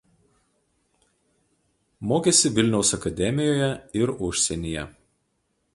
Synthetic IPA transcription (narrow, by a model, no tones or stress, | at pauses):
moːkʲɛsʲɪʋʲɪlʲnʲɛʊsɐkɐd̪ʲɛmʲɪjoːjɛɪɾʊʃʲsʲɛnʲijɛ